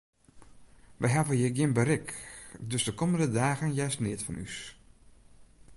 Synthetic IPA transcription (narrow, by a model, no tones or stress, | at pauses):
ʋəjɦavəjəɡjɪmbəɾɪkdøsdəkoməndədaːɣənjɛjstnɪtfɔnʔy̰s